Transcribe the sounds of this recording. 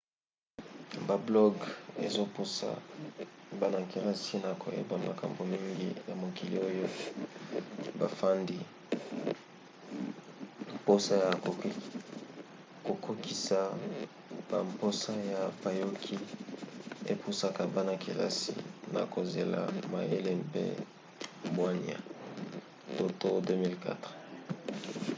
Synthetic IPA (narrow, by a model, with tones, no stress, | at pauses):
ba˨blɔ˦ɡe˦zo˦pu˦sa̰˨ | ba˦na˨ki˨la˦si˦na˨kʰo̰˨jḛ˦ba˨ma̰˨ka̰˨mbo˨mi˦ŋɡḭ˦ja˨mo˨ki˨lḭ˨o˦jo˦ | ba̰˨fa˦ndi˦ | mpo˦sa˦ja˨ | ko˨kʰo˦ki˨sa˨ | b̥a˨mpo˦sa˦ja˨pa˨jo˦kʰi˦ | e˦pʰu˦sa˦ka˨ba˦na˨ki˨la̰˦sḭ˨na̰˨ko˨ze˨la̰˨ma˨je˦le˦mpḛ˦ | bwa˦nia̰˨ | to˦to˦dø˦mi˦lka̰˦tʁ